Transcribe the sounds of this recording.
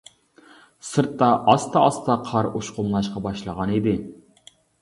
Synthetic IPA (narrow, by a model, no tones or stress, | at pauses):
sɨɾt̪ːɑʔɑst̪ɑɑst̪ɑqʰɑɾuʃqʊmlˠɑʃqɑbɑʃlˠəʁɑnid̪ɪ